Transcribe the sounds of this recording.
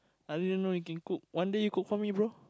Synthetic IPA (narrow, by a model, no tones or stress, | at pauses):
alidə̃nõjukɛ̃nkuk̚wãndejukuk̚fɔmĩbɹo